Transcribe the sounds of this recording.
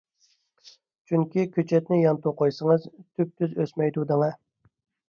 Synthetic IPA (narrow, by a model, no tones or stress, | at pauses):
t͡ʃʰyŋkʲikʲʰøt͡ʃʰɛt̪nɪjɑnt̪uqʰojsəŋəzt̪ʰyp̚t̪ʰyzøsmɛjd̪ud̪ɨŋɑ